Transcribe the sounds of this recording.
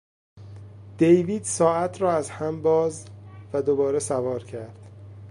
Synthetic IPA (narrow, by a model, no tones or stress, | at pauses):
d̪̥ejviːd̪̥sɒːæt̪ʰɾɒːæzhæmbɒːzvæd̪obɒːɾesævɒːɾcʰæɾd̪̥